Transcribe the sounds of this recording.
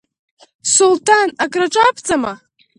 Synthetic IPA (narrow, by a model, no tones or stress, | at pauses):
sultʰanakʼraʈ͡ʂʷʼapʰt͡sʼama